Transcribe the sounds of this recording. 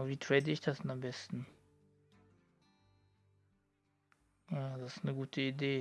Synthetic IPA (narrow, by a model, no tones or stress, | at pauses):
viːtʁ̥ɛːdəɪçd̥asd̥ɛnambɛstn̩ | jadasɪ̥snəɡuːtʰəideː